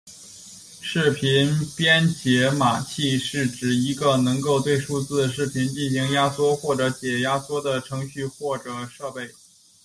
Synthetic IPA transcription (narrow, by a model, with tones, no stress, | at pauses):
ʂɻ̩˥˩pʰi˧˥npjɛ˥nt͡ɕjɛ˧˥ma˨˩t͡ɕʰi˥˧ʂɻ̩˥˩ʈ͡ʂɻ̩˨˩i˧˥ɡə˧nɤ˧˥ŋko˥˧ʊt̪we˥˩ɪʂu˥t͡sɹ̩˥˩ʂɻ̩˥˩pʰi˧˥nt͡ɕi˥˩nɕi˧˥ŋja˥swɔ˥xwɔ˥˩ʈ͡ʂɤ˧˥t͡ɕjɛ˨˩ja˥swɔ˥d̪ə˨ʈ͡ʂʰɤ˧˥ŋɕy˥˧xwɔ˥˩ʈ͡ʂɤ˨˩ʂɤ˥˧pe˥˩ɪ